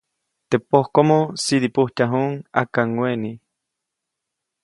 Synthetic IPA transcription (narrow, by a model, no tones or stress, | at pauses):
t̪epohkomosid̪ipuht̪aɦuŋa̰kaŋweni